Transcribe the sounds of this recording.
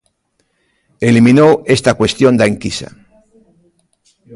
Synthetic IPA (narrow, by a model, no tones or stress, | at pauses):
elimĩnoest̪akwe̞st̪jo̞nd̪aeŋkisa̰